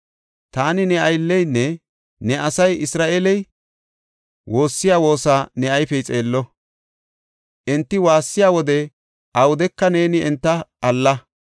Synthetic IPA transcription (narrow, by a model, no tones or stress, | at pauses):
t̪aːnɪnɛɐjlːɛjnːɛ | nɛʔɐsɐjɪsɾaːʔeːlɛj | wʔo̞ːsːɪjaːwo̞ːsaːnɛɐjpɛjt͡sʼe̞ːlːɔ | ʔɛnt̪ːɪwaːsːɪjaːwɔd̪ɛ | ʔɐwʊd̪ɛkːɐne̞ːnɪɛnt̪ːɐɐlːɐ